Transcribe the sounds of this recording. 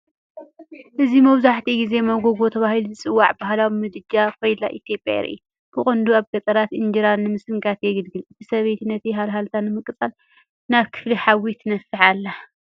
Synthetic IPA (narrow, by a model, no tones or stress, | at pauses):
ʔɨzimɐβzaħt̪ʰiɡize̞mɐɡoɡo̞t̪ʰɐβahiluzɨt͡sʼɨwːaʕbahlawimɨd̪ɨd͡ʒakʰojlaʔit̪jo̞pʼja̰ɾḭju | b̥ɨkʼɨnd̪uaβɡɐt̪ʼɐɾat̪ʔɨnd͡ʒiɾannːɨmɨsɨŋkʰat̪jɛɡɨd̪ɡɨlɨt̪ʰisɐβejt̪ʰnɐt̪iɦalɦalt̪ʰanːɨmɨkʼɨt͡sʼal | naβkʰɨ̥fliħawit̪nɐfːɨħalːa